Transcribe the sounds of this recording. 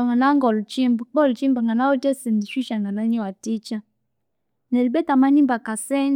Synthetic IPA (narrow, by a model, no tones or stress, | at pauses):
aŋanaŋɡɔlt͡ʃimbk͡pɔlt͡ʃimbaŋɡanawotɛsɛndiʃiʃaŋɡanaɲɛwatit͡ʃa | nɛlbɛtamanimbakasɛn